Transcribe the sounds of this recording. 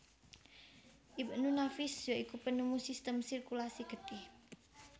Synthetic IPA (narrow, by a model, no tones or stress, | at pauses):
ʔibənunafisjɔikupənumusist̪əmsirkulasiɡ̥ət̪ɪh